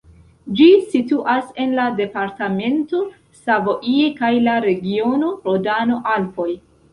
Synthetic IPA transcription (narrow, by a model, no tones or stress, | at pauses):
d͡ʒisituʔase̞nlade̞paɾtame̞nto̞ | savoʔiekajlaɾe̞ɡio̞no̞ɾodano̞ʔalfo̞j